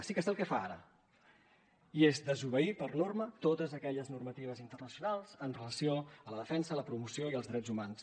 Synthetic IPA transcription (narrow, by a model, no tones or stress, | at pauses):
sikəsɛlˠkɛfaaɾə̰ | iezd̪əzuβ̞əipərnormət̪ot̪əzəkɛʎəznurmət̪iβ̞əzint̪ərnəsiunalˠz̥ənrələsioələðəfɛnsələpɾumusioiəlzðɾɛd͡zumans